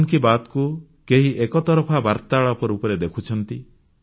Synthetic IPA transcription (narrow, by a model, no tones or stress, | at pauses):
ŋkibat̪ku | keɦiʔekɔt̪ɔɾɔpʰabaɾt̪aɭɔpɔɾupɔɾed̪ekʰut͡ʃʰɔnt̪i